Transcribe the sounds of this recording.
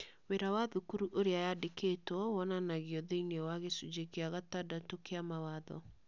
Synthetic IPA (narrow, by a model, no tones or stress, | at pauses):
weɾawaðukuɾuʔoɾeajadekʰetɔwɔnanaɣiɔðeinewaɣesud͡ʒekeaɣatadatokeamawaðɔ̰